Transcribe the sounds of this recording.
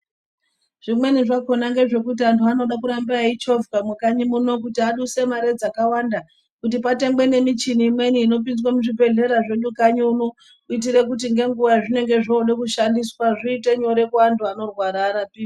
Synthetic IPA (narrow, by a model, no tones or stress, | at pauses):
ʐ̥imwe̞niʐako̞naŋɡe̞ʐe̞kutiantʰuano̞ɗakuɾambait͡ʃovkamukaɲimuno̞k̬utiaɗuse̞maɾe̞d͡zakawanda | kutipate̞ŋbwe̞ne̞mit͡ʃiniːmwe̞niːno̞p̬inzwamuʐibʱe̞ɮe̞ɾaʐeɲukaɲiuno̞ | uit̬iɾe̞k̬ut̬iŋɡe̞ŋɡuʋaʐine̞ŋɡe̞ʐoːɗekuʃandiswaʐiiteɲo̞ɾe̞kuantʰuano̞rwaɾaːɾapiː